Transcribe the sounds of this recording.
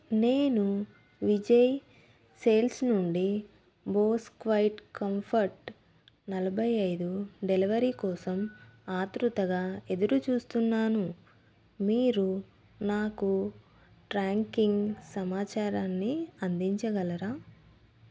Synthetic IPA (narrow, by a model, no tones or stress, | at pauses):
neːnu | ʋid͡ʒɐj | seːlsnuɳɖi | boːskʋɐjiʈkɐmpʰɐɾʈ | nɐlɐbʱɐjɐjd̪uɖeliʋɐɾiːkɔːsɐmaːt̪ɾut̪ɐɡaːe̞d̪uɾut͡ʃuːst̪unːaːnu | miːɾu | naːku | ʈɾaːŋkiŋɡsɐmaːt͡ʃaːɾaːnːiɐnd̪iɲt͡ʃɐɡɐlɐɾaː